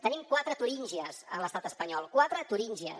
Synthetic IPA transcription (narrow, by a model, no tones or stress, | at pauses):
t̪ənimkwat̪ɾət̪uɾiɲʲʒiəzələst̪at̪əspəɲɔlˠkwat̪ɾət̪uɾinʲʒiə̰s